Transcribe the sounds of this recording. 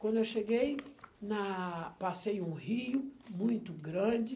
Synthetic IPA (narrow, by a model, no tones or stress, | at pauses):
kwɐ̃nd̪ʊewʃeɡejnɐpasejũhiʊmũj̃t̪ʊɡɾɐ̃d͡ʒɪ